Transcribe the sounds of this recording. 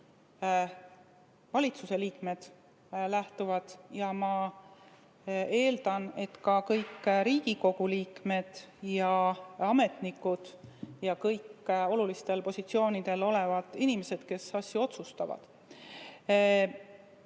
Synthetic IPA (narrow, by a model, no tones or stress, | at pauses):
vɑlʲit̪suse̞liːkme̞d̪̥ | læht̪uvɑd̪̥jɑmɑ | e̞ːld̪ɑne̞t̪kɑkɤjkːˑɾiːɡ̥iko̞ɡ̥uliːkme̞d̪̥jɑɑme̞t̪nikːˑud̪̥jɑkɤjkːo̞lulist̪e̞lpo̞sʲit̪sio̞ːnid̪̥e̞lo̞le̞vɑd̪̥inime̞se̞d̪̥ke̞sɑsʲjuo̞t̪sust̪ɑvɑ̰d̪̥